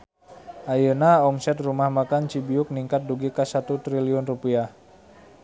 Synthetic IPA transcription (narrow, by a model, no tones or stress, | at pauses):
ʔajənaɔmsɛt̪rumahmakant͡ʃibiʊk̚niŋkat̪̚duɡikasat̪ut̪ɾiliɔnrupiah